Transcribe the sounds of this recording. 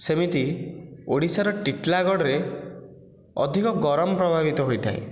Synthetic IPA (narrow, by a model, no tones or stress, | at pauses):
semit̪ioɽisaɾɔʈiʈlaɡɔɽɔɾe | ɔ̰d̪ʱikɔɡɔɾɔmɔpɾɔbʱabit̪ɔɦojt̪ʰaḭ